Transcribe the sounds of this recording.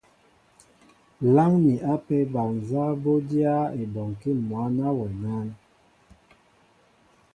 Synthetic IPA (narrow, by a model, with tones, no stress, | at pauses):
la˦ŋni˨a˦pɛ˦ba˨n˨za˦bo˦dja˦e˨bɔ˨ŋ˨ki˦˨mwa˨˦na˦wɛ˨na˦n